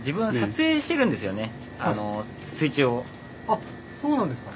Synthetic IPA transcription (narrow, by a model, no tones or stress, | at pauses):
d͡ʑibɯ̟̃ɰ̃sat͡sɨeːɕi̥t̪e̞ɾɯ̟̃nd̪e̞sɨjo̞ne̞ | ano̞ | sɨit͡ɕio | a | soːnãnd̪eska